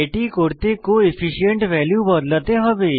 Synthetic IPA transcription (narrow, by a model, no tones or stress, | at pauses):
eʈikoːɾt̪ekoɪfʰɪʃijə̃ɳʈʋɛːljubɐd̪lət̪eɦɐʋe